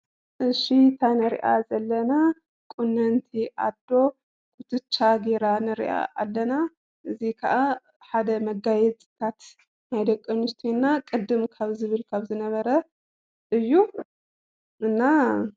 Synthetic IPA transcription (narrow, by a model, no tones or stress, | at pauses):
ʔɨʃit̪ʰanɨɾḭʔa̰zɐlːɐna | kʼunːɐnt̪ʰiʔa̰d̪o̞ | kʰʼut̪ʰɨt͡ʃʰʼːaɡeɾanɨɾḭʔa̰ʔalːɐna | ʔɨzikʰɐʔa | ħad̪ɐmɐɡajɛt͡sʼɨ̥t̪ʰat̪ | najd̪ɐkʼːɐnust̪ʰnːakʼɨd̪ːɨmkʰaβzɨβɨlkʰaβzɨnɐβɐɾɐ | ʔɨjːu | ʔɨnːa